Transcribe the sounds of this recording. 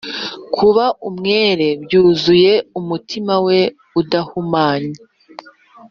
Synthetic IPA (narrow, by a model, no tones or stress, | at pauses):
kʰuβaʔumŋe̞ːɾe̞bjuːzuje̞umutʰimawe̞ | udahumaːɲe